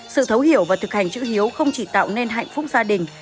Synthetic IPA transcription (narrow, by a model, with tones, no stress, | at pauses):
sɨ̰˧˨t̪ʰə˨˦wɦi˧˩əwvaː˨˩t̪ʰɨ˨˩k̚ha˨˩jŋ̟t͡ɕɨ̰˧˥hi˨˦əwxə˧wŋ͡mt͡ɕi˧˩t̪a̰ː˧˨wne˧nɦa̰˧˨jŋ̟fʊ˦˥k͡p̚zaː˧ɗï˨˩ŋ̟